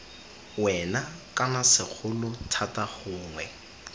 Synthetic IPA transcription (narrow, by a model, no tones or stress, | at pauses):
wɛnakʼanasɪk͡xʰʊlʊtʰatʼaχʊːŋwɛ